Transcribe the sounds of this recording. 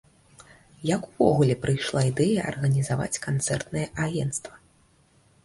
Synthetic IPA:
jakuvɔɣulʲɛpɾɨjʂlˠaid̪ɛjɐɐ̰rɣɐnʲizava̰t͡sʲkant̪sɛrt̪nɨjɛʔaɣʲɛnt̪st̪vɐ̥

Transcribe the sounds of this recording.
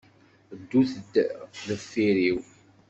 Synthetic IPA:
d̪ːuθəd̪ðəfːiɾiw

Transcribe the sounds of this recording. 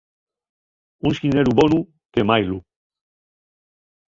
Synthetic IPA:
unsineɾuβonu | t̪emajlu

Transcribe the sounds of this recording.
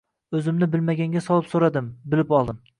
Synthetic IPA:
ɵzɪmnɪbɪlmaɡʲaŋɡʲasɒlˠɪpsoɾad̪ɪmbɪlɪpɒlˠd̪ɪm

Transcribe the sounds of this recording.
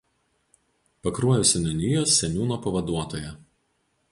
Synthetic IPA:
pɐkɾuɔjʊsʲɪnʲɐnʲijoːsːʲɛnʲuːnoːpɐʋɐd̪uɔt̪oːjɛ

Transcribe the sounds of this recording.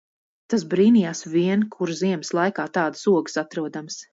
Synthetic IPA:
t̪as̬bɾiːnijaːsviɛnkʰuɾziɛmslˠajkaːt̪ɑːd̪ɨ̥suɔɡɨ̥sat̪ɾuɔd̪ams

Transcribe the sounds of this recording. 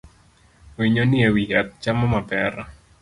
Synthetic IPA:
wiɲonɪewijat̪̚t͡ʃamɔmapɛɾa

